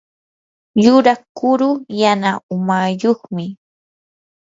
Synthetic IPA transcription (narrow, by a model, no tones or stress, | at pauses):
jʊɾakʊɾʊjanaʊmajoχmɪ